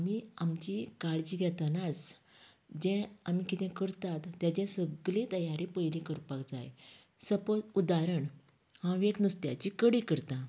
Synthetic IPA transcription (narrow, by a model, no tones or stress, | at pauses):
miamt͡ɕikaɭd͡ʑiːɡʱjɛt̪ənat͡s | d͡ʑɛ̃amikit̪ɛ̃kəɾt̪at̪ːjat͡ɕɛ̃səɡlẽt̪əjaɾipəjlĩkəɾpakd͡za̰j | səpəud̪aɾəɳ | hãʋeʈnust̪ja̰t͡ɕikəɽikəɾt̪ã